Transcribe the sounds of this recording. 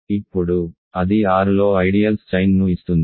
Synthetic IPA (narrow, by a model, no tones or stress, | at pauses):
ipːuɽu | ɐd̪iaːɾulo̞ːɐjɖijɐlst͡ʃɐjnnuist̪und̪i